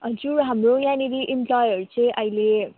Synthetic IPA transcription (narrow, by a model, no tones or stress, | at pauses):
ʌnd͡zuɾɦamrojãniɾiʔimplɔjʌɾut͡sʌj̃ʔʌjle